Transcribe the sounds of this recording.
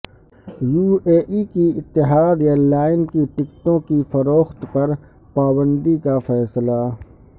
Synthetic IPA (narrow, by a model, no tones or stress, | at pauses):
juːeːʔikiɪt̪ːɪɦaːd̪jalaːɪnkiʈɪkt̪õkifɐɾoːxt̪pɐɾ | paːbə̃nd̪ikafɛːsla